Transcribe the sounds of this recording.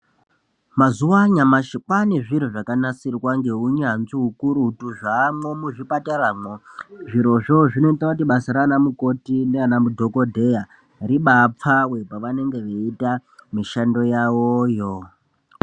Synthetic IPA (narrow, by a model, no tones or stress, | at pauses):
mazuwaɲamaʃik͡pane̞ʐiɾoʐakanasirwaŋɡe̞ɦuɲanziɦukuɾuɦutuʐamo̞muʐipataɾamoʐiɾo̞ʐo̞ʐino̞itonakutiɓasaɾanamuko̞tineanamudʱo̞ko̞dʱe̞ja | ɾiɓap͡fawe̞paʋane̞ŋɡe̞ʋeitamiʃando̞jawojo